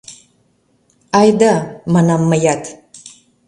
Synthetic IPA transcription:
ajd̪amanamːajatʰ

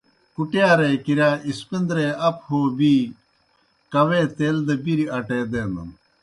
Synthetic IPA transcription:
kuʈjaːɾekiɾaːispind̪ɾeɐphoːbiː | kɐweːt̪eːld̪ɐbiɾiɐʈeːd̪eːnɐ̰m

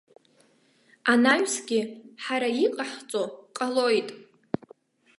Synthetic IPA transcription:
anaɥsɡʲɪħaɾaiqʼaħt͡sʼoqʼalojtʼ

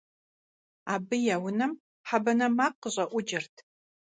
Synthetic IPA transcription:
aːbɨjɛwʊnɐm | ħabɐnɐmaːqəʑʼɐʔʷʊd͡ʒɪrtʰ

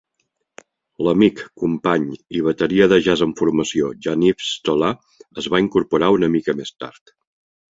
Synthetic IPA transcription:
ləmikkːumpaɲiβ̞ət̪əɾiəðəʒazəɱfuɾməsioʒanifst̪ola | əzβaiŋkuɾpuɾaunəmikəmest̪a̰ɾt̪

